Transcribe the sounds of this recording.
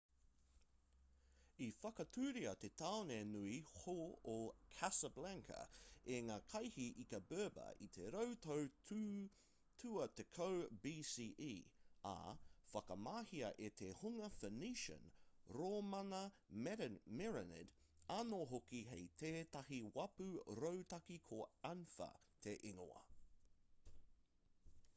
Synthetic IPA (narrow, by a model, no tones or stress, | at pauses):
ifɐkɐt̪ʰʉːɾiɐt̪et̪ʰaonenuihookʰæsɐblæŋkʰɐ̰eŋaːkʰɐjhiʔikɐbɜːbɐ̰ʔit̪ʰeɾowt̪ʰow | tʰʉːɐt̪ekʰowbiːsiːʔiːɐ̰fɐkɐmaːhiɐʔet̪ʰehuŋɐfəniʃə̰̃nɾoːmɐnɐ | mɛɾənmɛɹɛnɪ̰d | anoːɦokiɦejt̪ʰeːt̪ɐɦiwɐpʉɾowt̪ɐkikʰoɐnfɐ̰ | t̪ʰeʔeŋo̰ɐ̰